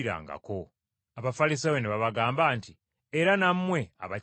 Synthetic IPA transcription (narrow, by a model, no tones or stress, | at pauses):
ɾa̰ːŋɡa̰ko̞ | aβafalis̬aweneβaβaɡaːmbaːnti | eɾanamːwe̞a̰βa